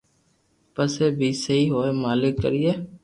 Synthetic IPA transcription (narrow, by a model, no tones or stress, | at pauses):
pəseːbʱiːsəɦiːɦoːeːmaːlɪkːə̰ɾieː